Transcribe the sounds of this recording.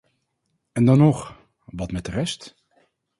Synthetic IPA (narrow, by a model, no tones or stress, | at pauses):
ɛndɑnɔχ | ʋɑtmɛt̚dərɛst